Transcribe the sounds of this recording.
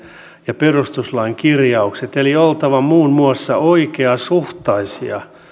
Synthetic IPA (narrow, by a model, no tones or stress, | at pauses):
jɑperust̪uslɑiŋkirjɑukset̪eliolt̪ɑʋɑmuːnmuɑsːɑ̰ʔoikeɑsuht̪ɑisḭɑ̰